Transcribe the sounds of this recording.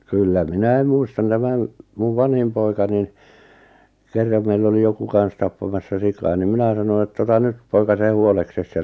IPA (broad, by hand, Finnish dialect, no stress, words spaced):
kylːæ minæi muistɑn tæmæn muʋ ʋɑnhim poikɑ nin kerːɑm meilː oli joku kɑn̞s tɑpːɑmɑsːɑ sikɑː nim minæ sɑno etː otɑ nyt poikɑ se huolekses jɑ